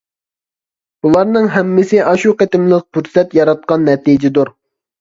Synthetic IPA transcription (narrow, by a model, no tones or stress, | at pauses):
b̥ulˠɑɾnɨŋɦɛmːɪsɪʔɑʃuqet̪ɪmlˠɪq̚pyɾsɛt̪jɑɾɑt̪̚qɑnːɛt̪id͡ʒɪd̪uɾ